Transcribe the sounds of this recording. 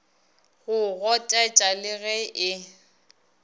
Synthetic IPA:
ɣʊɣɔtʼat͡ʃʼalɪɣɛʔɪ

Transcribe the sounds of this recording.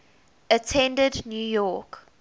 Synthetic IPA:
ətʰɛ̃ndədnjuːjɔk

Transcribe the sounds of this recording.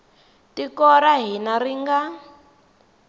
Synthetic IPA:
tikɔɾaɦinariŋɡa

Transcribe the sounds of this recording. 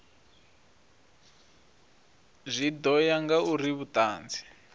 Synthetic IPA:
zʷid̪ɔjaŋɡauriβutaːnd͡zi̥

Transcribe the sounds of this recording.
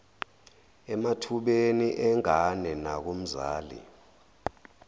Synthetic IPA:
ɛmatʰuɓeniʔɛŋanɛnak̬om̩za̰ːlḭ

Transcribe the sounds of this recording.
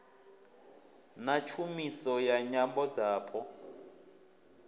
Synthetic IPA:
nat͡ʃʰumisɔjaɲambɔd͡zaːpʰɔ

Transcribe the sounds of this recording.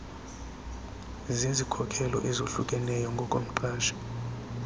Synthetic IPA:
zezikʰɔkʰɛlɔ̰ʔɛzoɬukʼɛnɛjɔŋɡʱɔkʼom̩ǃʰaːʃḁ

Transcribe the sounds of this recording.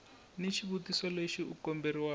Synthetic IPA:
nit͡ʃʰiβutisɔleʃiukɔmberiwa

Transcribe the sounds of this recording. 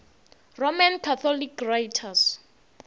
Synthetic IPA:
romankʰaθʰɔlikʰrajtʰas

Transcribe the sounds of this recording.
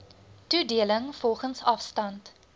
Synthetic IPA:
tudiələŋfɔlˠχənsɐfstɐnt

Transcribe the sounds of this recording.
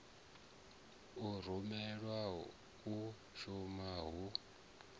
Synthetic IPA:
ur̤umɛɺwa | u | ʃumaɦu

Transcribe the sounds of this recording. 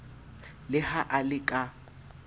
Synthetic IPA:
lɪhaʔalɪkʼa

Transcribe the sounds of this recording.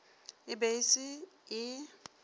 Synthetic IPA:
ɪbeisɪɪ

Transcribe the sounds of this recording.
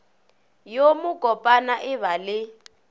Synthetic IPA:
jomʊkʼɔpʼanaʔɪβalɪ

